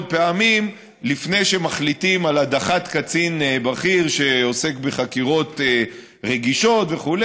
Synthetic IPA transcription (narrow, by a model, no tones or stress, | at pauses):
d̪̚peamim | lifne̞jʃemaχlit̪imalad̪aχat̪kat͡sinbaχiʁʃe̞o̞se̞kbeχakiʁo̞t̪e | ʁe̞ɡiʃo̞t̪ve̞χule